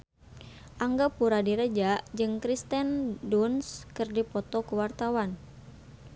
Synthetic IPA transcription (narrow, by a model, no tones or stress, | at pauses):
ʔaŋɡapuɾadiɾəd͡ʒaʔd͡ʒɨŋkɾist̪ɛndunskɨrdipɔt̪ɔkuwart̪awan